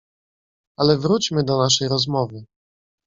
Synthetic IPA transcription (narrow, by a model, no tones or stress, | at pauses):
alɛvɾut͡ɕmɘd̪ɔnaʂɛjɾɔzmɔvɘ